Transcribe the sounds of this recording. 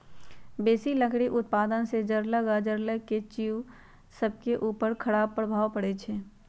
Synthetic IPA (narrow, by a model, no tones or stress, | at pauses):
beːsiləkʰɽiʔʊt̪̚paːd̪ənsed͡ʒəɾləɡad͡ʒəɾləket͡ʃiu | səb̚keʔuːpəɾkʰəɽaːb̚pɾəbʱaːwpəɽet͡ʃʰeː